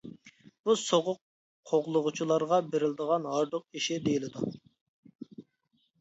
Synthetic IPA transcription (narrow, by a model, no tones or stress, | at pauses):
b̥usoʁʊqʰ | oʁlˠʊʁʊt͡ʃʰilˠɑɾʁɑbeɾɪlɪd̪əʁɑnɦɑɾd̪ʊq̚iʃɪd̪ejilɪd̪u